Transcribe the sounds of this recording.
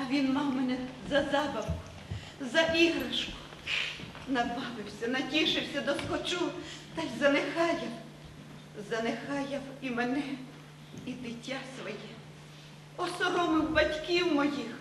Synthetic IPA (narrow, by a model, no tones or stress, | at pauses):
ɐʋʲinmɑwmenɛzɐzɑbɐwkʊ̥ | zɐʔiɦɾɐʃkʊ̥ | nɐbɑʋɪwsʲɐnɐtʲiʃɪwsʲɐd̪ɔskɔt͡ʃut̪ɑjzɐnɪxɑjɐw | zɐnɪxɑjɐwimenɛ | id̪ɪtʲːasʋɔjɛ | ɔsɔɾɔmɪwbɐtʲkʲiwmɔjix